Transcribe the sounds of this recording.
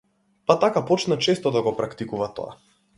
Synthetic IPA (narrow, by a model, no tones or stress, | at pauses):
pat̪akapɔt͡ʃnat͡ʃɛst̪ɔd̪aɡɔpɾakt̪ikuvat̪ɔ̰a̰